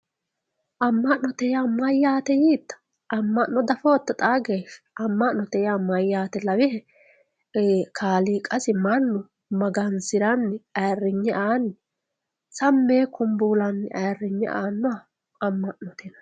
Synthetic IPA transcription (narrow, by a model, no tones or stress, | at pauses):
ʔɐmːɐʔnɔt̪ɛjamɐjːaːt̪ɛjiːt̪ːɐ̥ | ɐmːɐʔnɔd̪ɐfoːt̪ːɐt̪ʼaːɡeːʃ | ɐmːɐʔnɔt̪ɛjamɐjːaːt̪ɛlɐwɪhɛ | kʰaːliːkʼɐsɪmɐnːʊ | mɐɡɐnsɪɾɐnːɪɐjrːɪɲːɛʔaːnː | sɐmːeːkʊmbuːlɐnːɪ̰ʔɐrːɪɲːɛʔaːnːʊa | ɐmːɐʔnɔt̪ɛnɐ